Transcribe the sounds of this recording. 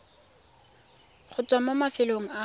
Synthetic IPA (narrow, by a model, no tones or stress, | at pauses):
χʊt͡sʼwamomafɪloŋ̩a